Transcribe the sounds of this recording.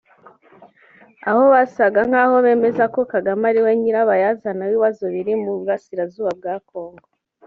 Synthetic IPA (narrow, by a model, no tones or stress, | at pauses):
aho̞βasaɡaŋ̥haːho̞βe̞ːme̞zako̞kaɡamaɾiweɲiɾaβajazanawiːβazo̞βiɾimuβuɾasiɾazuːβab̚ɡaːko̞ːŋɡo